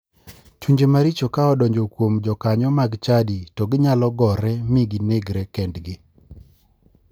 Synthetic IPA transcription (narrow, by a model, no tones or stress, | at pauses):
t͡ʃuɲd͡ʒemaɾit͡ʃokaɔdɔɲd͡ʒokwomd͡ʒɔkaɲɔmaɡt͡ʃaditɔɡɪɲalɔɡɔɾɛmiɡineɡɾɛkɛndɡɪ